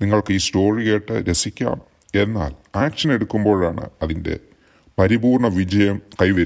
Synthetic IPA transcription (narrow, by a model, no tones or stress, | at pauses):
niŋːɐɭkɨiːsto̞ːriɣe̞ːʈːɨɾe̞sikʲːa̰ːm | e̞nːa̰ːlaːkʂɐne̞ɽukːumbo̞ːɻaːɳɨ̰ɐðinde̞̰ | pɐɾibuːrɳɐʋid͡ʑɐjɐmkɐjʋɐɾ